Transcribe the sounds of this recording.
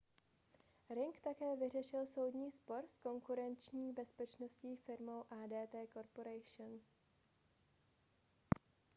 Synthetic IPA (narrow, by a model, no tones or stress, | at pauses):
ɾɪŋkt̪akɛːvɪr̝ɛʃɪlso̞wdɲiːspo̞ɾsko̞ŋkuɾɛnt͡ʃɲiːbɛspɛt͡ʃno̞sciːfɪɾmo̞wʔaːdɛːt̪ɛːko̞ɾpo̞ɾɛjʃn